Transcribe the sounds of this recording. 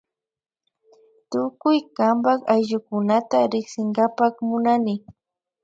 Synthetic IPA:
t̪ʊkʊjkambakajʒʊkʊnat̪aɾɪksɪŋɡapakmʊnanɪ

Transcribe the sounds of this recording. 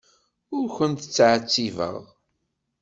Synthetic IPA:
ʊɾçənt̪ət͡sːʕt͡sːivə̰ʁ

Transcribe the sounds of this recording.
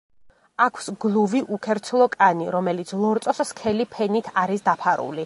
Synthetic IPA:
akʰsɡlˠuviʔukʰɛɾt̪sʰlˠɔkʼaniɾɔmɛlit̪sʰlˠɔɾt̪ʼɔsskʰɛlipʰɛnit̪ʰaɾisd̪apʰaɾṵli

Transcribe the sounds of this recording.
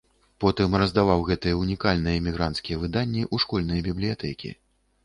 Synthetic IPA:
pɔt̪ɨmrɐzd̪avawɣɛt̪ɨjɛunʲikalʲnɨjɛimʲiɣɾant̪skʲijɛvɨd̪anʲːiʔuʂkɔlʲnɐjɛbʲiblʲijat̪ɛkʲḭ

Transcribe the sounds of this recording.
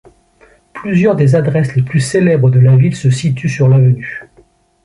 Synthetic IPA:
plyzjœʁd̪ezad̪ʁɛsleplyselɛbʁəd̪əlavilsəsit̪ysyʁlavəny

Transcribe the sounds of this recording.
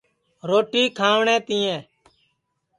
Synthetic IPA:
ɾoːʈiːkʰaːʋɳɛ̃ːt̪ĩːɛ̃ː

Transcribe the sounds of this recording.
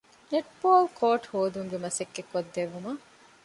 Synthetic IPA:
neʈpoːlkʰoːʈhoːd̪uŋɡemɐsekːekːod̪ːeʋːumɐ

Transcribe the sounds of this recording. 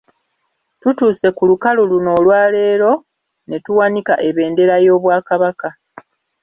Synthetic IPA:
tutuːse̞kulukaluluno̞ːlwaːle̞ːɾo̞ | ne̞tuwanikaʔe̞βe̞ːnde̞ɾajo̞ːβwaːkaβaka

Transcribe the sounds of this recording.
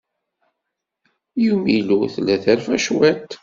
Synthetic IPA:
jumiluθlæθæɾfæʃwæt̪

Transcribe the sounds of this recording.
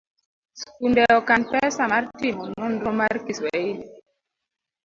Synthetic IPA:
skundɛɔkanpɛsamaɾtimɔnɔnɾɔmaɾkiswɛini

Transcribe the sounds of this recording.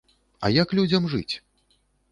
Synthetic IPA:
ɐ̰jɐklʲud͡zʲɐmʐɨt͡sʲ

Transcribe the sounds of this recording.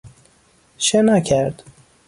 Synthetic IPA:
ʃenækʰæɾd̪̥

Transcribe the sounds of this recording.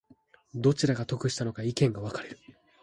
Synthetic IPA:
d̪o̞t͡ɕiɾaɡat̪o̞kɯ̟ɕi̥t̪ano̞kaikẽ̞ŋɡaβ̞akaɾe̞ɾɯ̟̥

